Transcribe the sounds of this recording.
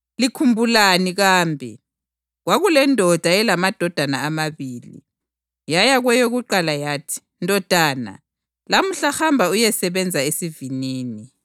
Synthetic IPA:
likʰumbʱulaniɣaːmbʱḭ | ɣwaɣulɛndʱɔd̥ʱajɛlamad̥ʱɔd̥ʱanaːmaβiːlḭ | jajaɣwɛjoɣuǃalajaːtʰi̥ | ndʱɔd̥ʱaːna̰ | lamuɬahambʱaujɛsɛβɛnd͡zʱaesiviniːni

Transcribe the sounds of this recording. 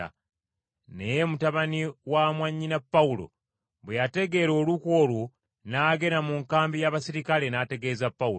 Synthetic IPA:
a̰ | nejemutaβaniwamwaɲːinapːaulo̞̰ | βwejate̞ɡe̞ɾo̞ːluko̞lu | naːɡe̞namuŋkaːmbijaβasiɾikale̞naːte̞ɡe̞ːzapːau

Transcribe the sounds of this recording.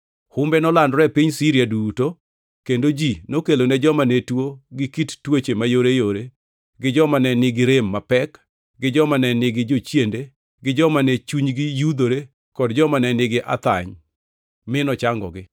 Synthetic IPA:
hʊmbɛnɔlandɾɛpiɲsiɾjaduːto | kendod͡ʒinokeloned͡ʒɔmanetwoɡɪkittwot͡ʃemajoɾejoɾe | ɡɪd͡ʒɔmanɛnɪɡɪɾemːapɛk | ɡɪd͡ʒɔmanɛnɪɡɪd͡ʒot͡ʃjende | ɡɪd͡ʒɔmanɛt͡ʃuɲɡɪjud̪oɾe | kɔdd͡ʒɔmanɛnɪɡɪʔa̰t̪a̰ɲ | mɪnɔt͡ʃaŋɡɔ̰ɡɪ

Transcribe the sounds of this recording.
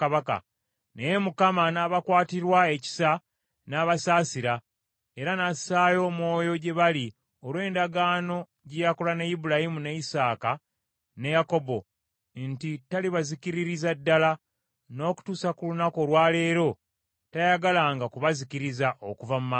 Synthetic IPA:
aβaka̰ | neje̞mukamanaːβakwaːtiɾwae̞ci̥sa | naːβasaːsiɾa | e̞ɾanasajo̞ːmwo̞ːjo̞ɟe̞βali | olwe̞ːndaɡaːno̞ | ɟijakolanejibulajimuneisaːka | ne̞jako̞bo̞ | ntitaliβazikiɾiɾizadːala | no̞ːku̥tuːsakulunako̞lwaːle̞ːɾo̞ | tajaɡalaŋɡakuβazikiɾizaʔokuvamuma

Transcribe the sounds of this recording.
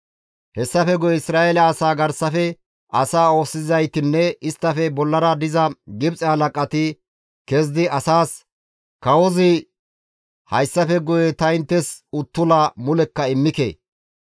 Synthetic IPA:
hɛsːɐfɛɡɔjɛɪsɾaːjelɐːsaːɡɐɾsɐfɛ | ʔɐsaːo̞ːsːɪzɐjt̪ɪnːɛɪst̪ːɐfɛbɔlːɐɾɐd̪ɪzɐɡɪbt͡sʼɛhɐlɐkʼːɐt̪ɪ | kɛzd̪ɪɐsaːs | kɐwɔzɪ | hɐjsːɐfɛɡɔjɛt̪ɐjnt̪ːɛsʊt̪ːʊlamʊlɛkːɐɪmːɪkḛː

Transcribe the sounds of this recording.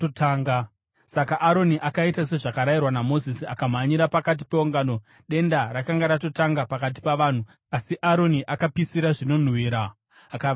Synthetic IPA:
otʰaːŋɡa | sakaʔaɾo̞niʔakaitase̞ʐakaɾajirwanamo̞zisiakam̤aɲiɾapakat̬i̥peuŋɡaːno̞ | ɗe̞ndarakaŋɡaɾato̞taŋɡapakat̬i̥paʋaːn̤u | asiʔaɾo̞niʔakapisiɾaʐino̞n̤wiːɾaː | ka

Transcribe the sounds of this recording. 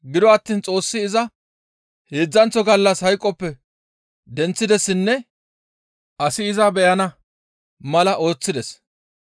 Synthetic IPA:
ɡɪd̪ɔɐt̪ːiːnt͡sʼo̞ːsːɪːzɐ | he̞ːd͡zːɐnt͡sːɔɡɐlːɐshɐjkʼːɔpːɛ | d̪ɛnt͡sːɪd̪ɛsːɪnːɛ | ʔɐsɪːzɐbɛjɐnɐ | mɐlɐʔo̞ːt͡sːɪd̪ɛs

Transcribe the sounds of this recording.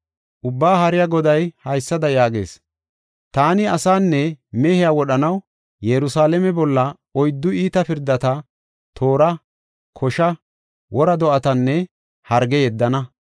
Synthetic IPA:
ʔʊbːaːhɐɾɪjaɡɔd̪ɐjhɐjsːɐd̪ɐjaːɡe̞̰ːs | t̪aːnɪɐsaːnːɛmɛhɪjaːwɔɗɐnɐw | jɛɾʊsaːlɛmɛbɔlːɐ | ɔjd̪ːʊiːt̪ɐpɪɾd̪ːɐt̪ɐ | t̪ʰo̞ːɾɐ | kʰɔʃɐ | wʔɔɾɐd̪ɔʔɐt̪ɐnːɛ | hɐɾɡɛjɛd̪ːɐnɐ

